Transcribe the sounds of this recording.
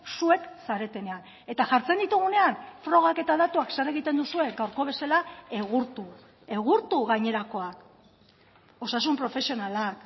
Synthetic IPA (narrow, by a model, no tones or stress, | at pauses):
sue̞ksaɾe̞t̪e̞ne̞an | e̞t̪aʝaɾt͡se̞nd̪it̪uɣ̞une̞anfɾo̞ɣake̞t̪aðat̪uakseɾe̞ɣ̞it̪e̞nd̪usue̞ɡawɾko̞βe̞salae̞ɣuɾt̪u | e̞ɣ̞uɾt̪uɣajɲe̞ɾako̞ak | o̞sasumpɾo̞fe̞sio̞nalak